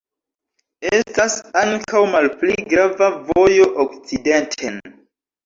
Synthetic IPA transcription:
estasaŋkawmalpliɡɾavavo̞jo̞ʔok̚t͡side̞ntʰen

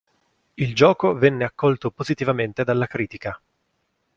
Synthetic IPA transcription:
ild͡ʒɔːkovɛnːeakːɔlt̪opozit̪ivament̪ed̪alːakɾiːt̪ika

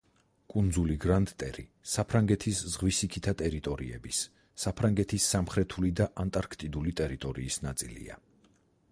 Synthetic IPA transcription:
kʼund̪zuliɡɾant̪ʼt̪ʼɛɾḭsapʰɾaŋɡɛt̪ʰiszʁwisikʰit̪ʰat̪ʼɛɾit̪ʼɔɾiɛ̰bisː | apʰɾaŋɡɛt̪ʰisːamχɾɛt̪ʰulid̪aʔant̪ʼaɾkʰt̪ʼid̪ulit̪ʼɛɾit̪ʼɔɾiːsnat̪sʼilḭa̰

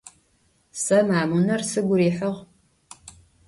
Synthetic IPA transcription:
sɐmaːmunɐrsɨɡʷʊɾiːħəʁ

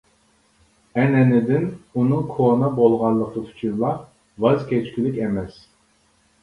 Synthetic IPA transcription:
ɛnɛnɪd̪ɪnunɨŋkʰonɑbolˠʁɑnlˠəqʰək̪ʰy̥t͡ʃʰinlˠɑ | vɑzkʲʰɛt͡ʃkʲilɪkʲɛmɛs

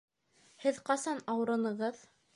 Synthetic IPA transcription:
hɘðqɑsɑnɑwɤ̆ɾɤ̆nɤ̆ʁɤð

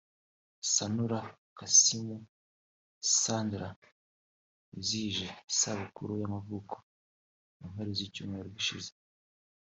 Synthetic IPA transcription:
sanuɾakasimu | saːndɾa | iziːʒesaβukuɾujamavuːko̥ | um̥aɾizicuːmŋeɾoɡiʃize̥

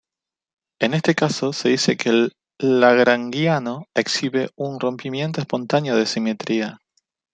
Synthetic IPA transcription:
e̞ne̞st̪e̞kaso̞se̞ðise̞kelː | aɣɾaŋɡjano̞eksiβeunro̞mpimje̞nt̪̬oe̞spo̞nt̪anjoð̞esimet̪ɾia

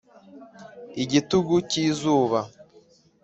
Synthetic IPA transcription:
iɟituɡuciːzuːβa

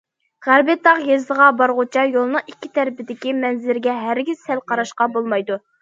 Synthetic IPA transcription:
ʁæɾbɪt̪ːɑqjezd̪əʁɑbɑɾʁʊt͡ʃʰɑjolˠnɨŋikʲːit̪ʰæɾɪpɪd̪ɪkʲimɛnzɪɾɡʲɛɦæɾɡʲiz̥ɛlqʰɑɾɑʃqɑbolˠmɑjd̪u

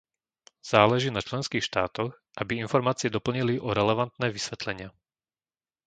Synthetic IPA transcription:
z̥aːlɛʒiːnat͡ʃlɛnskiːxʃt̪aːt̪ɔx | ʔabiinfɔɾmaːt͡siɛd̪ɔpl̩ɲiliʔɔɾɛlɛʋant̪nɛːʋisʋɛt̪lɛɲɪa

